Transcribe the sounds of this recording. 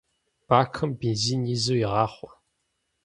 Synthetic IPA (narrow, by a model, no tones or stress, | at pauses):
b̥aːxʰɐmbinziːnizuwjiʁɑːχʷɔ̥